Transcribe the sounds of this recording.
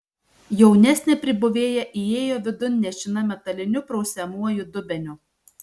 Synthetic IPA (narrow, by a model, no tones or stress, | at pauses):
jɛʊnʲæsʲnʲɛpʲɾʲɪbʊʋʲeːjɛʔieːjoːʋʲɪd̪ʊnʲnʲɛʃʲɪnɐmʲɛt̪ɐlʲɪnʲʊpɾɔʊsʲɛmuɔjʊd̪ʊbʲɛnʲʊ